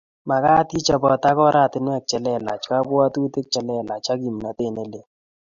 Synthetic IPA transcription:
ma˨ka˦ti˦t͡ʃa˨bɔ˨t̪a˦kɔ˦ɾa˦˨tɪ˨nɪ˦a˨k̚t͡ʃɛ˨lɛ˦˨la̰˨t͡ʃka˦bʊ˦a˦t̪u˦te˦k̚t͡ʃɛ˨lɛ˦˨la˨t͡ʃa˦ɡi˨mna˨t̪e˦˨ne˦le˨

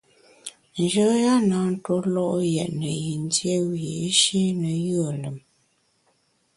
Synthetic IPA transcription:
n˨d͡ʒə˦ja˦na˨˦n̩˦to˦lɔ˦ʔjɛ˨ʔnə˨ji˨n˦dje˦we˨˦ʃe˦nə˨jɯ˦ə˨lə˨m

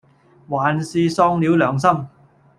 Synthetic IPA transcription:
waː˨nsiː˧sɔː˧ŋliː˨˥wlœː˨˩ŋs̬ɐ˥m

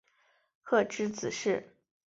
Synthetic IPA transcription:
kʰɤ˥˩ʈ͡ʂɻ̩˥t͡sɹ̩˨˩ʂɻ̩˥˩

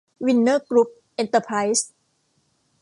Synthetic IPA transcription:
wi˧nːəː˥˩kɾu˦˥p̚ | ʔe˧nt̪ə˧pʰɾa˦˥js

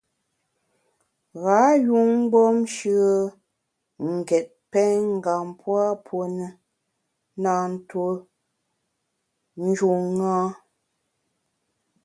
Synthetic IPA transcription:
ɣa˨˦ju˦ŋ̩˦ɡ͡bɔ˦mʃə˦ | ŋ̩˨ɡɛ˨t̚pɛ˦ŋ̩˦ɡa˨mpʰwa˦pʰo˨nə˨ | na˨n̩˦to˦ | n̩˦d͡ʒu˨ŋːa˦

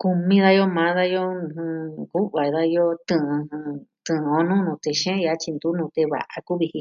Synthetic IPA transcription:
ku˧mĩ˦ða˧jo˦mã˨˦ða˦jõ˦˧hɨ̃˧ku˦βa˨˧ða˧jo˦t̪ɨ̃˧hɨ̃˧t̪ɨ̃˨˧o˧nũ˦nũ˧t̪e˧ʃẽ˦ja˧˦t͡ʃi˧nd̪u˦nũ˧t̪e˧βa̰˨ʔa˧ku˦βi˧hĩ˧

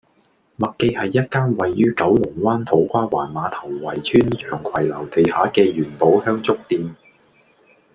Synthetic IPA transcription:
mɐ˨kkːe˧jhɐ˨jːɐ˥t̚kaː˥nwɐ˨jːyː˥kɐ˨˥wlʊ˨˩ŋwaː˥nt̪ʰo˨˥wkʷaː˥wa̰ː˨˩nmaː˨˧t̪ʰɐ˨˩wːɐ˨˩jt͡sʰyː˥nt͡ʃʰœː˨˩ŋkʷʰwɐ˨˩jlɐ˨˩wt̪e˨jhaː˨˥kɛː˧ɥyː˨˩npo˨˥whœː˥ŋt͡sʊ˥k̚t̪iː˨˧n

